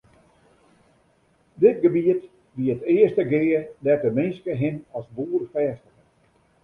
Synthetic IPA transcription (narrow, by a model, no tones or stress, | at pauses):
dɪtɡəbiət | ʋiəətɪːəstəɡɪːədɛtəmɪnskəɦɪnɔsbuərfɛːstəxən